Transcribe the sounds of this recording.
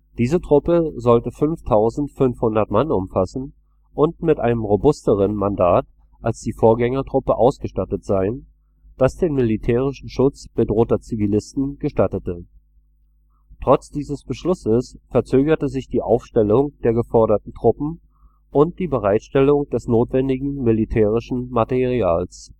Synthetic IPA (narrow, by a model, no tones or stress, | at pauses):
d̥iːzətʁ̥ʊpəzɔltəfʏnftʰaʊzn̩tfʏnfhʊndɐtmanʊmfasn̩ | ʔʊntmɪtʔaɪnəmʁobʊstəʁ̞ənmandaːt | ʔalsd̥iːfoːɐɡɛŋɐtʁ̥ʊpəʔaʊsɡ̥əʃtatətz̥aɪn | d̥asd̥eːnmɪlitʰɛːʁ̞ɪʃn̩ʃʊt͡sb̥ədʁoːtɐt͡sivilɪstn̩ɡəʃtatətə | tʁ̥ɔt͡sd̥iːzəsb̥əʃlʊsəsfɛɐt͡søːɡɐtəzɪçd̥iːʔaʊfʃtɛlʊŋd̥eːɐɡəfɔɐɾɐtn̩tʁ̥ʊpm̩ | ʔʊnt̚d̥iːbəʁaɪtʃtɛlʊŋd̥ɛsnoːtv̥ɛndɪɡŋ̩mɪlitʰɛːʁɪʃn̩mateʁiaːls